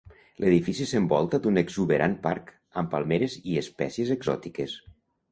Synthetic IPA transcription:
lʔeðifisisembɔlˠt̪ad̪uneɡzuβeɾʔanpa̰ɾk | əmpalˠmeɾeziespɛ̰siezeɡzɔ̰t̪ikes

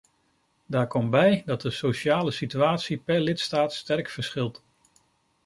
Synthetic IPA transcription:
daːɹkɔmbɛjdɑt̚dəsowʃaːləsityaːtsipɛɹlɪtstaːtstɛrkfəɹsχɪlˠt

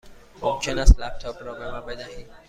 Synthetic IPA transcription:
ɔt͡ʃɔnaslap̚tʰɔpːɾɔɡɾãmabɛdahĩ

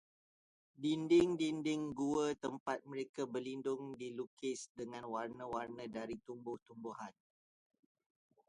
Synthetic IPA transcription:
dindɪŋdindɪŋɡuət̪əmpat̪̚mə̃ɾekabərlindʊŋdilukɪsdəŋãnwarnə̃warnə̃daɾit̪umbʊht̪umbuhan

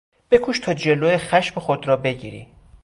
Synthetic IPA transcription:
b̥e̞kʰuːʃt̪ʰɒːd͡ʒe̞loːjexæʃmexod̪ɾɒːbe̞ɟḭːɾḭ

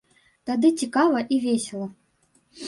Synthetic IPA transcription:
t̪ad̪ɨt͡sʲikavɐʔivʲesʲɛlˠɐ

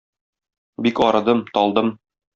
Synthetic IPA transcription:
bikɒɾɤ̆d̪ɤmt̪ɒlˠd̪ɤm

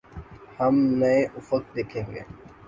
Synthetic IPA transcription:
həmneeʔʊfək̚d̪eːkʰẽːŋɡḛː

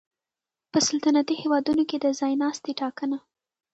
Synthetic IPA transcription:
pəsalt̪anat̪ihewɑd̪unoked̪əzɑjnɑst̪eʈɑkəna

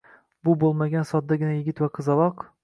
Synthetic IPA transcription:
bʊbolˠmaɡʲansɒt̪̚d̪aɡʲɪnajɪɡʲɪt̪vaqʰɨzɑlˠɒq

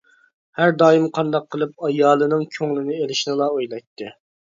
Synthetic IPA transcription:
hæɾd̪ɑːjimqʰɑnd̪ɑqʰːəlˠɨp̚ɑjɑːlˠɨnɨŋkʲʰøŋlˠɪnɪelɪʃnɨlˠɑojlˠɑjt̪ʰːɨ

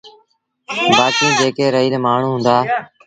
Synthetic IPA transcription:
baːkĩːd͡ʒeːkeːɾəɦiːlmaːɳ̤ũːɦʊ̃ːnd̪aː

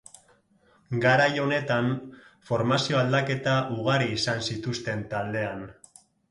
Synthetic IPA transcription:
ɡaɾajo̞ne̞t̪anfo̞ɾmasio̞ald̪ake̞t̪aʔuɣ̞aɾiːsansit̪ust̪e̞nt̪ald̪e̞an

